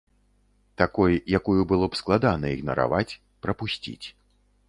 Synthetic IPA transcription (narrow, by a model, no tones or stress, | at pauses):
t̪akɔjjakujubɨlˠɔpsklˠad̪anɐiɣnɐ̰ɾa̰vat͡sʲ | pɾɐpusʲt͡sʲḭt͡sʲ